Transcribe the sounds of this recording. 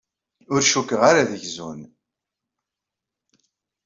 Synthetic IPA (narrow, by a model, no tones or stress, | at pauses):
ʊɾʃukːəʁaɾaðəʝzun